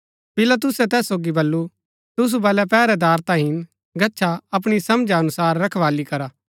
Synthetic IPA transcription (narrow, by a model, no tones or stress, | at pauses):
pɪlat̪̬ʊsɛt̪ɛːsːoːɡibɐlːu | t̪ʊs̬ubɐːlɛpɛːɾɛd̪aːɾt̪ãɦɪn | ɡɐtːʃʰaɐp̬ɽ̃isɐmd͡ʒaɐnʊsaːɾːɐkʰʋaːlikɐɾaː